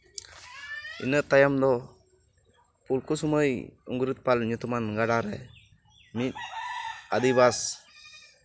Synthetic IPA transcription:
ḭnəʔt̪ajamd̪ɔ | pulkusuməjṵŋɡɾit̪̚palɲut̪umanɡaɖaɾɛ | mit̪̚ | ad̪ibas

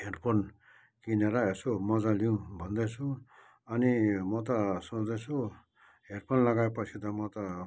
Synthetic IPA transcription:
ɦerpʌn | kineɾaesomʌd͡zaliũbʱʌnd̪ʌt͡sʰũ | ʌnimʌt̪ʌsud̪ʌt͡sʰu | ɦerpʌnlʌɡaepʌt͡sʰit̪ʌmʌt̪ʌ

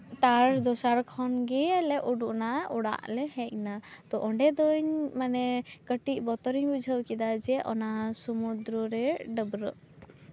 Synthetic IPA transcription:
t̪aɾd̪ɔsaɾkʰɔnɡɛɛlɛʔuɖuʔnaɔɽa̰ʔlɛhɛc̚nat̪ɔʔɔɳɖɛd̪ɔɲmanɛkəʈiʔ̚ˀbɔt̪ɔɾiɲbud͡ʒʱəwkid̪ad͡ʒɛʔɔ̰nasumud̪ɾɔɾɛɖəbɾəʔ

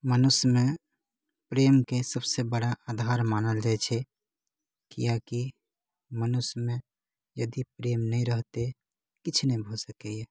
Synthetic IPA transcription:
mənʊsmẽ | pɾeːmkesəbsebəɽaʔad̪ʱaɾmanəld͡ʒaɛt͡ʃʰɛ | kḭjaki | mənʊsmẽ | jəd̪ipɾeːmnəiɾəɦt̪e | kɪt͡ʃʰnebʱosəkɛjɛ

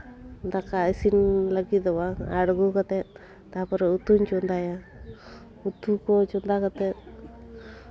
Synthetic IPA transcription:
nd̪akaisinlaɡid̪ɔwaaɽɡukat̪e | t̪apɔɾeut̪uɲt͡ʃund̪aja | ut̪ukot͡ʃɔnd̪akat̪e

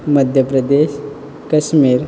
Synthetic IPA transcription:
məd̪ʱjəpɾəd̪eɕ | kəɕmiːɾ

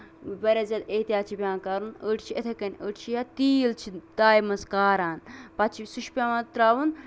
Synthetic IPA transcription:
bɐɾɐzʲɐd̪et̪ʲjaːt͡ʃʰibʲãːkaɾunəʈʰt͡ʃʰiet̪ʰɐkɐnʲəːʈʰt͡ʃʰijat̪iːlt͡ʃʰid̪aːjmɐskaːɾaːnpɐt͡ʃʰisuʃpʲamɐt̪ɾaːʋun

